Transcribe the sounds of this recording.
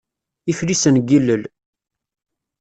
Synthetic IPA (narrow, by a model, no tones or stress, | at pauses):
iflisənɡilːəl